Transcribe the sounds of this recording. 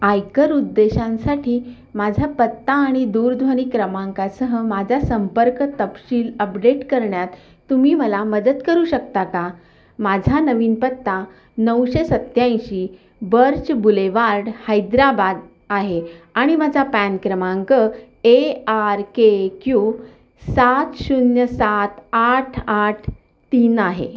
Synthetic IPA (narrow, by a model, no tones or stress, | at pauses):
ajkəɾud̪ːeɕãnsaʈʰiː | mad͡ʑʱapət̪ːaːɽ̃id̪uːɾd̪ʱʋəɽ̃ikɾəmãŋkasəɦəmad͡ʑʱasəmpəɾkt̪əpɕiːləpɖeʈkəɾɳjat̪ː | umiːməlaməd̪ət̪kəɾuːɕəkt̪aka | mad͡ʑʱanəʋiːnpət̪ːa | nəwɕesət̪jãjɕiː | bəɾt͡ɕbuleʋaɾɽhajd̪ɾabad̪ | aɦeaɽ̃imad͡zapænkɾəmãŋkə | eaɾkekju | sat̪ɕunjəsat̪aʈʰaʈʰ | t̪iːnaɦḛ